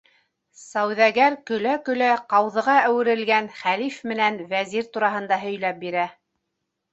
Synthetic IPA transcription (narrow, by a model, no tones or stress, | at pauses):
sæwðæɡæɾkɵ̆lækɵ̆læqɑwðɤ̆ʁɑæwɘ̆ɾɘ̆lɡænχælifmɘ̆nænvæziɾt̪uɾɑɦɤ̆nd̪ɑɦɵ̆jlæp̚biɾæ